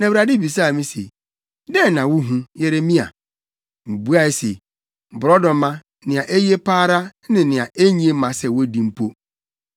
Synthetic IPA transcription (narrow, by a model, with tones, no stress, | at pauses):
nã˨wɾa˨dɪ˦˨bi˨s̬a˦˨mĩ˦sḛ˨ | dɛ˦nã˨wʊ˦ɦũ˦jɛ˦ɾe˦mĩ˦a̰˨ | m̩˨bu˦a˦ɛ˦sḛ˨ | bʊ˨ɾɔ˦dɔ̃˨˦mã˦ | nɪ̃˨a˨ʔe˦je˦pʰaː˦ɾa˦nɪ̃˨nɪ̃˨a˨ʔe˦ɲĩ˦e˦mã˨sɛ˦wo˦dĩ˨m̩˦pʰo˦